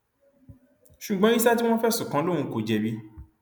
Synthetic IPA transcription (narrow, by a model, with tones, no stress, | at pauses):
ʃu˨ɡ͡bã˨˦i˦sa˦ti˦w̃ɔ̃˦fɛ˦˨sũ˨kã˨˦lõ˦˨ũ˧˦ko˨d͡ʒɛ˧bi˦